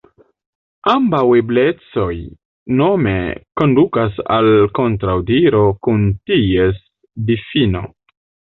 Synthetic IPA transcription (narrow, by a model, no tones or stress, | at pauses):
ambawe̞ble̞t͡so̞j | no̞me̞̰ko̞ndukasa̰lko̞ntɾawdiɾo̞kunties | difino̞̰